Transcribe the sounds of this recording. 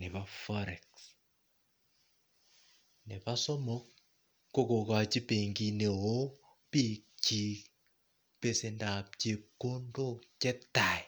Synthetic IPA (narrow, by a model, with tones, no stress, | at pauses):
nɪ˨pafɔɾɛ˨ks | nɪ˨pa˦sɔ˦mɔ˦kː | o˦ko˨ka˨t͡ʃi˦pe˨ŋɡine˨o˦ | pi˦k̚t͡ʃi˦ | pe˨se˨nda˨p̚t͡ʃe˨kːo˦ndo˦t͡ʃɛ˦tːa˨j